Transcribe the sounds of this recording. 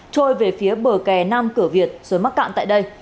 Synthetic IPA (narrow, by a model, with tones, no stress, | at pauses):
t͡ɕo˧jve˨˩fi˨˦əɓəː˨˩kɛ˨˩na˧mkɨ˧˩əvi˨˩ət̚z̥əː˨˦jma˦˥t̚ka̰˧˨nt̪a̰ː˧˨jɗə˧j